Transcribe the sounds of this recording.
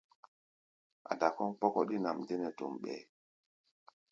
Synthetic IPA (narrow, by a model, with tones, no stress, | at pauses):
ʔa̰˨da˨kɔ˦ŋk͡pɔ˦kɔ˦ɗi˦na˨mde˦nɛ˨to̰˨mɓɛ̰˨